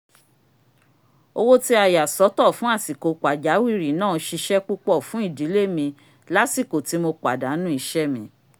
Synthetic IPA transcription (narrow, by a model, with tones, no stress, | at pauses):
o˧wo˦ti˦a˧˨ja˨sɔ˨˦tɔ˦˨fũ˨˦a˦˨si˨ko˨k͡pa˨d͡ʒa˨˦wi˦˨ɾi˨˦nãː˦˨˧ʃi˧ʃɛ˦k͡pu˦k͡pɔ˦˨fũ˨˦i˦˨di˨˦le˦˨mĩ˧ | la˦si˦˨ko˨ti˨˦mo˧k͡pa˨da˨˦nũ˦i˧ʃɛ˦mĩ˧